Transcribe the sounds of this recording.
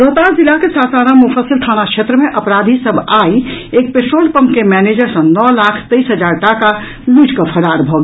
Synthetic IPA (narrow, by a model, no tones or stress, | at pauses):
ɾoːt̪aːɾzɪlakesaːsaːnamʊfəsɪlt̪ʰaːñakʃʰeːt̪ɾəmẽʔɐpɾaːd̪ʱisəbʱaːieːk̚peːʈɾoːlpə̃mpkemɛːneːd͡ʒəɾsɐ̃nɔːlaːkʰt̪əisɦəd͡ʒaːɾʈaka | lud͡ʒkəpʰəɽaːɾbʱoːɡ